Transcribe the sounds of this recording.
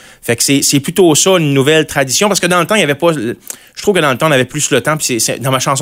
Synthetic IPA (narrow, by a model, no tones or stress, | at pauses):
fɛksɛsɛplyt̪osɔynːuvɛlt̪ʁad̪isjɔ̃paʁsə̥kəd̪ɑ̃lət̪ãijavɛpɔʒət̪ʁuvkəd̪ɑ̃lət̪ãnavɛplyslət̪ãpi̥sɛsɛ̰d̪ɑ̃maʃɑ̃s